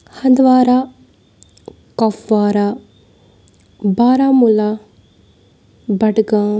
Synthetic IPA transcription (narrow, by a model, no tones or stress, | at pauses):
hɐ̃nd̪ʋaːɾaː | kɐpʰʋaːɾa | baːɾaːmula | bɐʈɡãː